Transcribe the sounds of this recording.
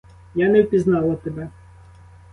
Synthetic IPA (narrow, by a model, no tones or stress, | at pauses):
janɛwpʲiznɑlˠɐt̪ɛbɛ